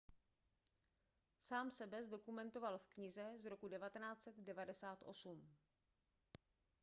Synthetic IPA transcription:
saːmsɛbɛzdo̞kumɛnt̪o̞valfkɲɪzɛzɾo̞kudɛvat̪ɛnaːt͡sɛt̪dɛvadɛsaːt̪ʔo̞̰sum

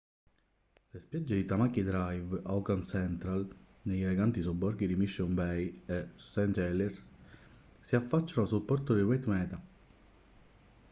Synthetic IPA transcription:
lespjad͡ʒːed̪it̪amakid̪ɾajvawkansɛnt̪ɾal | nejɛleɡant̪isobɔɾɡid̪imiʃːonbɛjesɛnt̪ɛlɛrs | siafːat͡ʃːanosulpːɔrt̪od̪iwɛt̪mɛːt̪a

